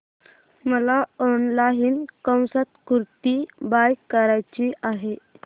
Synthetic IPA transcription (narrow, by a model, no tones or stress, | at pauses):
məlaɔnlaɦinkə̃w̃sat̪kuɾt̪ibajkːəɾajt͡ɕiaɦe